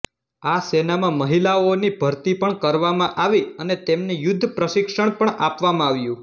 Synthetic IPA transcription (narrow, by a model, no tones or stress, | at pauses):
asenamãməɦilaonibʱəɾt̪ipəɳkəɾʋamãʔaʋiənet̪emnijʊd̪ʱːəpɾəʃɪkʃəɳpəɳapʋamãaʋjũ